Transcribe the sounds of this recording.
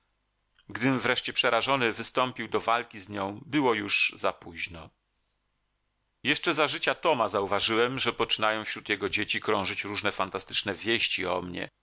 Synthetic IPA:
ɡd̪ɘmvɾɛʂt͡ɕɛpʂɛɾaʐɔnɘvɘst̪ɔmpʲiwd̪ɔvalkʲizɲɔ̃w̃bɘwɔjuʐzapuʑnɔ | jɛʂt͡ʂɛzaʐɘt͡ɕat̪ɔmazauvaʐɘwɛmʐɛpɔt͡ʂɘnajɔ̃w̃fɕɾut̪jɛɡɔd͡ʑet͡ɕikɾɔ̃w̃ʐɘt͡ɕɾuʐnɛfant̪ast̪ɘ̥t͡ʂnɛvʲjeɕt͡ɕiɔ̰mɲɛ̰

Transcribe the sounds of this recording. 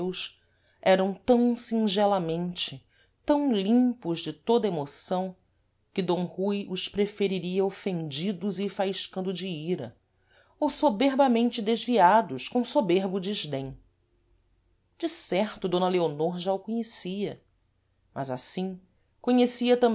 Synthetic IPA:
ws | ɛɾɐ̃w̃t̪ɐ̃w̃sĩŋʒɛlɐmẽnt͡ʃɪ | t̪ɐ̃w̃lĩmpʊʒd͡ʒɪt̪od̪ɐemosɐ̃w̃ | kɪd̪õw̃hujʊspɾefeɾiɾiɐofẽnd͡ʒid̪ʊzɪfaiʃkɐ̃nd̪ʊd͡ʒɪiɾɐ̰ | owsobeɾbɐmẽnt͡ʃɪd̪eʒviad̪ʊʃkõw̃sobeɾbʊd͡ʒiʒd̪ẽj̃ | d͡ʒɪsɛɾt̪ʊd̪õnɐleonoɾʒaʊkõɲesiɐ | mɐza̰sĩ | koɲesiɐt̪ɐ̃m

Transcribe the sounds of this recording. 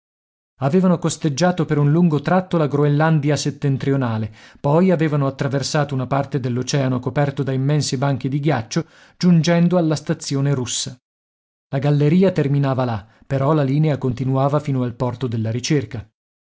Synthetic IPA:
aveːvanokost̪ed͡ʒːaːt̪opeɾunluŋɡot̪ɾat̪ːolaɡɾoelːand̪iaset̪ːent̪ɾionaːlepɔjaveːvanoat̪ːɾaversaːt̪ounapart̪ed̪elːot͡ʃɛːanokopɛrt̪od̪aimːɛnsibaŋk̟id̪iɡjat͡ʃːo | d͡ʒund͡ʒɛnd̪oalːast̪at̪sːjoːneɾusːa | laɡalːeɾiːat̪erminaːvala | peɾɔlaliːneakont̪inuaːvafiːnoalpɔrt̪od̪elːaɾit͡ʃerka

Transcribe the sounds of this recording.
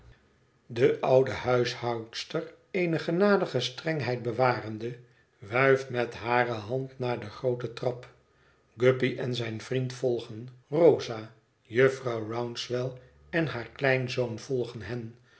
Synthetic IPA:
dəʔɑwdəhœɥshɑwtstər | ejnəχənaːdəχəstrɛŋɦɛjt̚bəʋaːrəndə | ʋœɥftmɛtɦaːrəɦɑntnaːɹdəχrowtətrɑp | ɡɵpiʔɛnzɛjnvrintfɔlˠχənrowza | jəfrɑwrawnsʋɛlˠ | ɛnɦaːɹklɛjnzoʊnvɔlˠχənɦɛn

